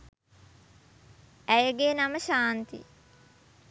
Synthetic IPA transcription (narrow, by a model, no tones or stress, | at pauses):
æjəɡeːnaməʃaːnt̪ḭ